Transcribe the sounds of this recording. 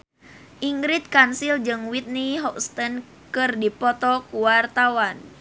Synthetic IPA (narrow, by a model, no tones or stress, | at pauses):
ʔiŋɡɾit̪̚kansild͡ʒɨŋwit̪̚niɦɔkst̪ən | kɨrdipɔt̪ɔkuwart̪awan